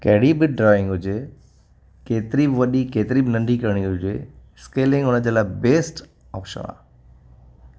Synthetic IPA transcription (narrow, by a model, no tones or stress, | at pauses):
kɐɦɪɽibɪɖɾɔːɪ̃ŋɡɦʊd͡ʑe | keːt̪ɪɾibɪʋɐɗikeːt̪ɪɾibɪnɐ̃ɳɖʱikɐɾɽ̃iɦʊd͡ʑḛːɪskeːlɪ̃ŋɡʊnəd͡ʑelabeːsʈ | ɔːpʃə̰̃na̰ː